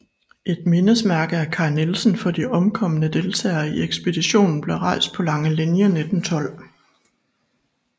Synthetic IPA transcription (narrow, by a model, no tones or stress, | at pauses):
ʔe̝d̥̚me̝nəsmæɐɡ̥əæɐkʰɑ̈ɪnelsn̩fɒ̽d̥iʔɒ̽mkʰɒ̽mənəd̥e̝lt͡sʰɛ̰ːɐieɡ̥sb̥e̝d̥iɕo̝̰ːnn̩b̥le̝ʁɑ̈ɪsd̥̚pʰɒ̽lɑ̈ŋəlinjəned̥n̩t͡sʰɒ̽l̰